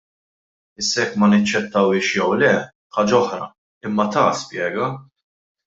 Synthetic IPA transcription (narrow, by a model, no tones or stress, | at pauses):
ɪsːɐɛkːmɐnɐt͡ʃːɛt̪ːɐwɪːʃjɛwlɛ | ħɐːd͡ʒɐɔħɾɐ̰ | ɪmːɐt̪ɐspjɛːɡɐ